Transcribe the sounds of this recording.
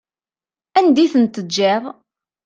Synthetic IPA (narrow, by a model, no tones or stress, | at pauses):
ænd̪iθənt̪əd͡ʒːɪʁˤ